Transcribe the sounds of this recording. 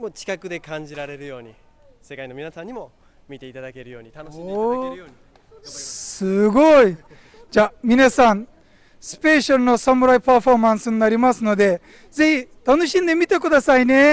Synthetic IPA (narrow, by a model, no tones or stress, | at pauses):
moːt͡ɕi̥kakɯ̟d̪e̞kãɲ̟d͡ʑiɾaɾe̞ɾɯ̟jo̞ːɲi | se̞kaino̞mʲinasãɲ̟ːimo̞ | mʲit̪e̞it̪ad̪ake̞ɾɯjo̞ːɲ̟it̪anoi | sɨɡo̞i | d͡ʑaːmʲinasãn | sɨ̥pe̞ɕaɾɯ̟no̞samɯ̟ɾaipaɸo̞mãɰ̃sɨɲ̟inaɾʲimasɨno̞d̪e̞ | ze̞çit̪ano̞ɕĩnd̪e̞mʲit̪e̞k̬ɯ̟d̪asaine̞